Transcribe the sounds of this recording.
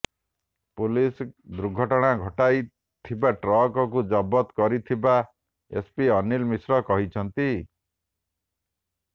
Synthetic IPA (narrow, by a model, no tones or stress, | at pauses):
pulisd̪ɾuɡʱɔʈɔɽ̃aɡʱɔʈaj | t̪ʰibaʈɾɔkɔkud͡ʒɔbɔt̪kɔɾit̪ʰiba | ḛspiʌnilmisɾɔkɔɦit͡ʃʰʌnt̪i